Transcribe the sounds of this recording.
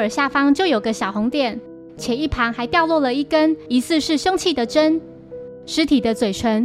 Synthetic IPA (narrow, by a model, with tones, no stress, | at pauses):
ə˞˨˩ɕja˥˨fɑ˥ŋt͡ɕjo˥˩ʊjo˨˩ʊɡə˦ɕjɑ˨˩ʊxʊ˧˦ŋt̪jɛ˨˩n | t͡ɕʰjɛ˨˩i˥˩pʰa˧˥nxa˧˥ɪt̪jɑ˥˧ʊlwɔ˥˩lə˨˩i˥˩kə˦˥ni˧˥sɹ̩˥˧ʂɻ̩˥˩ʂɤ˥ŋt͡ɕʰi˥˩d̪ə˩ʈ͡ʂə˦˥n | ʂɻ̩˧˥t̪ʰi˨˩d̪ə˦t͡swe˨˩ɪʈ͡ʂʰwə˧˦n